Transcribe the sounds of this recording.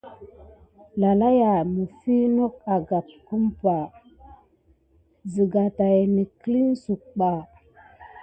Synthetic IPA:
la˨la˦ja˨mə˨fi˦no˦k̚a˨ɡa˨p̚ku˦mpa˨ | zi˨ɡa˨ta˨jni˨kli˦n˦su˨k̚ɓa˨

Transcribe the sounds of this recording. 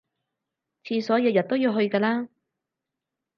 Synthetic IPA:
t͡sʰiː˧sɔː˨˥jɐː˧wjɐ˨t̪̚o˥wjiː˧wɦɵ˧ɥkɛː˧laː˥

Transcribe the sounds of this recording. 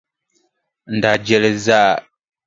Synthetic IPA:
n̩˨da˨d͡ʒɛ˦lɛ˦za˦˨

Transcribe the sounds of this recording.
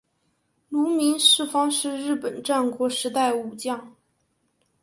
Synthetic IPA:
lu˧˥mi˧˥nʂɻ̩˥˩fɑ˥ŋʂɻ̩˥˧ɻɻ̩˥˩pə˨˩nʈ͡ʂa˥˩nkwɔ˧˥ʂɻ̩˧˥t̪a˥˩ɪu˨˩t͡ɕjɑ˥˩ŋ

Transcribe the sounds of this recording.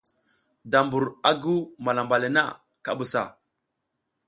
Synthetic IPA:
da˨mbu˨ɾa˦ɡu˦ma˨la˨mba˨le˨na̰˦ | ka̰˦bu˨sa̰˨

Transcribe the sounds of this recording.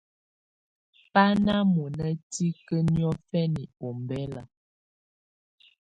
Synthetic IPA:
pa˦na˦mu˨nə˦ti˦kə˦njɔ˦fɛ˦ni˨o˨m˨bɛ˦la̰˨

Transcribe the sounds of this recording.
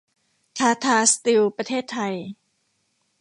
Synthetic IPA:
t̪ʰaː˧t̪ʰaː˧st̪i˧wpɾa˧t̪ʰeː˥˩t̪ʰːa˧j

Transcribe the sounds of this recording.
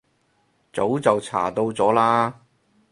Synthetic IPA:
t͡so˨˥wt͡sɐ˨wt͡sʰa̰ː˨˩t̪o˧wt͡sɔː˨˥laː˥

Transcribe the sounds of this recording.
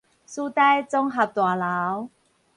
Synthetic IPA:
su˦˥t̪a˥jt͡sɔ˥ŋɦa˨˩p̚t̪waː˨˩la˨˦w

